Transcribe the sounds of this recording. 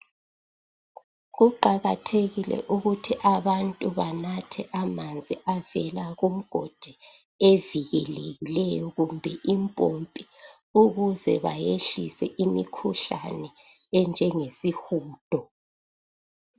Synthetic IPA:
ɣuǃaɣatʰeɣilɛ̰ʔuɣutʰiʔaβantʼuβanatʰɛʔamand͡zʱiʔavɛlaɣum̩ɡ̥ʱɔd̥ʱɛ | eviɣɛleɣilɛjɔɣumbʱɛʔimpʼompʼi | uɣuzɛβajeɬisɛ̰ʔimikʰuɬanɛ | ɛnd͡ʒʱɛŋesixuːd̥ʱɔ

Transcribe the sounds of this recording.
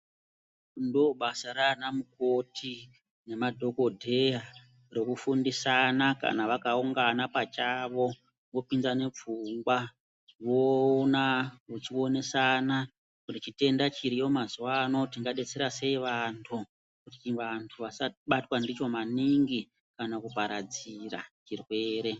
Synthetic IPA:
ndoɓasaɾanamuko̞tʰi | ne̞madʱo̞ko̞dʱe̞a | ro̞kufundisanaka̰naʋakauŋɡanapat͡ʃaʋo̞ | ŋɡopinzane̞p͡fuŋɡwa | ʋonaut͡ʃio̞ne̞sana | kunit͡ʃite̞ndat͡ʃiɾijo̞mazuwano̞tiŋɡaɗe̞t͡se̞ɾase̞iʋantʰu | kutiʋantʰuʋasaɓatwandit͡ʃo̞maniŋɡi | kanakupaɾad͡zira̰t͡ʃirwe̞ːɾe̞

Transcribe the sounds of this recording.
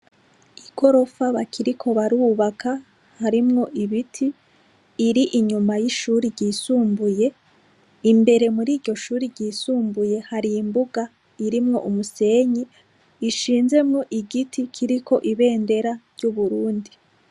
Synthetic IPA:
iɡ̥o̞ɾo̞faβakʰiɾikʰo̞βaɾuːβaka | haɾimŋo̞ʔiβitʰiː | ɾiʔiɲumajiʃuːɾiɾɟiːsuːmbuje̞ | imbe̞ɾe̞muɾiːɾɟo̞ʃuːɾiɾɟiːsuːmbuje̞haɾiːmbuɡa | iɾimŋo̞̰ʔumuse̞ːɲiː | ʃiːnze̞mŋo̞ʔiɡitʰikʰiɾikʰo̞ʔiβe̞ːnde̞ɾaɾɟuβuɾuːndi

